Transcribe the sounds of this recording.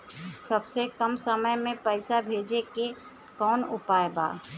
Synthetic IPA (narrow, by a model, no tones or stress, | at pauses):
səbsekəmsəməjmẽpəɪsabʱeːd͡ʒeke | kɔːnʊpaːjeba̰ː